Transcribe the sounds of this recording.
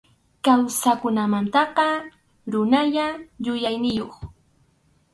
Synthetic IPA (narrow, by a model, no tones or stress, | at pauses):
kawsakʊnamant̪ɑqɑ | ɾʊnaʎaʎʊjajnɪjoχ